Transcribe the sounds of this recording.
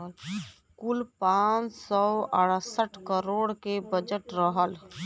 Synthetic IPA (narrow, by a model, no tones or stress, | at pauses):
kʊlpaːt͡ʃsɔəɽəsəʈʰkəɾoːɽkebəd͡ʒəʈɾəɦəl